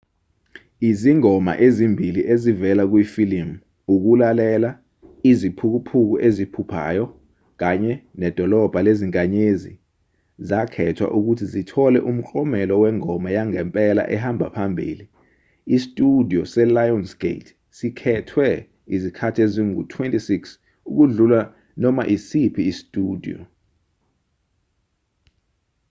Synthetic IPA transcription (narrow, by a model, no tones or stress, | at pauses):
iziŋɔma̰ʔezimbʱiliʔezivɛlak̬wifilim | uk̬ulalɛla | izipʰuk̬upʰuk̬uʔezipʰupʰa̰jɔ | k̬aɲɛnɛd̥ʱɔlɔb̥ʱaleziŋkʼaɲezḭ | zakʰɛtʰwa̰ʔuk̬utʰizitʰɔlɛʔum̩ǃʼɔmɛlɔwɛŋɔmajaŋɛmpʼɛla̰ʔɛhambʱa̰pʰambʱḭːli | istʼudʱiɔsɛlajɔnsɡ̥ḛtʰ | sikʰɛtʰwɛ | izikʰatʰeziŋṵtʰwentʼisiks | uk̬uɮula | nɔmaʔisipʰiːstʼuːdʱḭɔ̰